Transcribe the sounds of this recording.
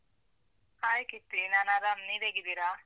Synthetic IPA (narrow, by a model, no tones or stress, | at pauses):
aːjkit̪inanaɾamnibeɡid̪iɾa